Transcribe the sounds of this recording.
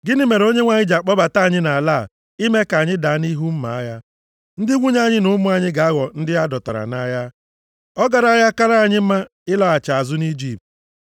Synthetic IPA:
ɡɪ˦nɪ˦me˨ɾo˦ɲe˦ŋʷa˨ɲɪ˦d͡ʒa˨k͡pɔ˦ba˨ta˦a˨ɲɪ˦na˨a˨la˦˨ | i˦me˦ka˨ɲɪ˦da˨a˦ni˦ɦu˦m̩˦ma̰˨a˦ja˦ | n̩˦dɪ˦ŋʷu˦ɲ˦a˦˨ɲɪ˦nʊ˨˦mʊ˦a˨ɲɪ˦ɡa˨a˦ɣɔ˨n̩˦dɪ˦a˦dɔ˨ta̰˨ɾa̰˨na˦ja˦ | ɔ˦ɡa˨ɾa˦ja˦ka˦ɾa˦a˨ɲɪ˦m̩˦ma˦ | ɪ˦lɔ˦a˨t͡ʃa˨a˨zʊ˦ni˦d͡ʒi˨p̚t

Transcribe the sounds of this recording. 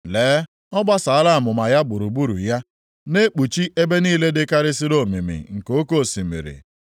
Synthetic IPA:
leː˨˦ | ɔ˦ɡ͡ba˦sa˨a˦la˦a˨mʊ˨ma˨ja˦bʊ˨ɾu˨bu˦ɾṵ˨ja˦ | ne˦k͡pu˨t͡ʃi˦ʔe˦be˦niː˦le˦dɪ˦ka˦ɾɪ˦si˦ɾo˦˨mḭ˨mḭ˨ŋ̩˨ko˦ko˦˨si˨mḭ˨ɾḭ˨

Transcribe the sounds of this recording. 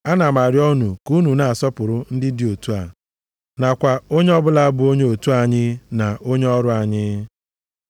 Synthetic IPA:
a˦na˨ma˨ɾɪ˦ɔ˦nu˨ku˦nu˨na˨a˨sɔ˦pʊ˨ɾʊ˦n̩˦dɪ˦di˦o˨tu˦a̰˨ | na˨kʷa˨o˦ɲe˦ɔ˦bʊ˦la˦a˦bʊ˨o˦ɲe˦o˨tu˦a˨ɲɪ˦na˨ʔo˦ɲe˦ɔ˦ɾʊ˦a˨ɲɪ˦

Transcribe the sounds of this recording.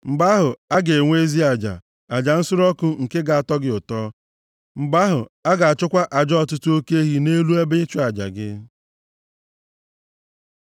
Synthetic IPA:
m̩˨ba˦ɦʊ˨a˦ɡe˨ŋʷe˦zi˦a˨d͡ʒa̰˨ | a˨d͡ʒa˨n̩˦sʊ˦ɾɔ˦kʊ˦ŋ̩˨ke˦ɡa˨a˨tɔ˦ɡɪ˦ʊ˨tɔː˦ | m̩˨ba˦ɦʊ˨a˦ɡa˨a˨t͡ʃʊ˦kʷa˦ʔa˨d͡ʒɔ˦ɔ˦˨tʊ˦tʊ˦o˦ke˦e˦ɦi˨ne˦lu˦e˦be˦ɪ˦t͡ʃʊ˦a˨d͡ʒa̰˨ɡɪ̰˦

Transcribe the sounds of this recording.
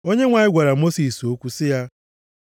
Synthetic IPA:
o˦ɲe˦ŋʷa˨ɲɪ˦ɡʷa˨ɾa˨mo˦si˨so˦kʷu˦sɪ˦ja˦

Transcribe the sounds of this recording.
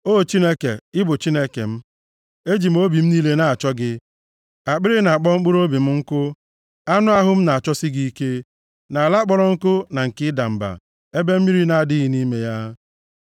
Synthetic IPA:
o˦˨t͡ʃi˦ne˦ke˨ɪ˦bʊ˨t͡ʃi˦ne˦kḛ˨m̩˦ | e˦d͡ʒi˨m̩˦o˦bi˨m̩˦ni˦le˦na˨a˨t͡ʃɔ˦ɡɪ˦ | a˨k͡pɪ˦ɾɪ˦na˨k͡pɔ˦ŋ͡m̩˦k͡pʊ˦ɾo˦bi˨m̩˦ŋ̩˦kʊ˦ | a˦nʊ˦a˦ɦʊ˦m̩˦na˨a˨t͡ʃɔ˦sɪ˦ɡi˦i˦ke˦ | na˨a˨la˦k͡pɔ˦ɾɔ˦ŋ̩˦kʊ˦na˨ŋ̩˨kɪ˦da˨m̩˨ba̰˨ | e˦be˦m̩˦mi˦ɾi˦na˨a˨dɪ˦ɦɪ˦ni˦me˦ja˦

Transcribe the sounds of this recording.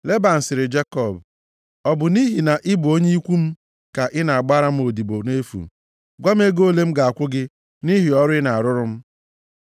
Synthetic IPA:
le˦ba˨n̩˨sɪ˨ɾɪ˨d͡ʒe˦kɔ˦˨b | ɔ˦bʊ˨ni˦ɦi˨na˨ʔɪ˦bʊ˨o˦ɲe˦i˦kʷu˦m̩˦ | ka˨ʔɪ˦na˨a˨ɡ͡ba˦ɾa˦m̩˦o˨di˨bo˨ne˦fṵ˨ | ɡʷa˦m̩˦e˦ɡo˦˨le˦m̩˦ɡa˨a˨kʷʊ˦ɡɪ˦ | ni˦ɦi˨ɔ˦ɾʊ˦ɪ˦na˨a˨ɾʊ˦ɾʊ˦m̩˦

